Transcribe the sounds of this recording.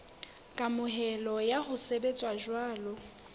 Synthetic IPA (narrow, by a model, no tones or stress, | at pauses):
kʼamʊɦɛlɔjahʊsebet͡sʼwaʒwaːlʊ